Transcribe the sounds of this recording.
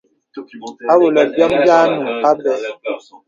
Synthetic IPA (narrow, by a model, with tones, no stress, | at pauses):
a˦wo˨lɛ˨lbja˦mbja˦nũ˨a˦bɛ˨